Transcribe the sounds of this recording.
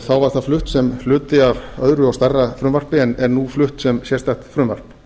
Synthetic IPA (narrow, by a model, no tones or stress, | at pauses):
θawvaɾ̥θaflʏht̪sɛmflʏːt̪ɪavœðɾʏawst̪arːafɾʏmvar̥pɪɛnɛɾnuflʏht̪sɛmsjɛst̪aht̪fɾʏmva̰r̥p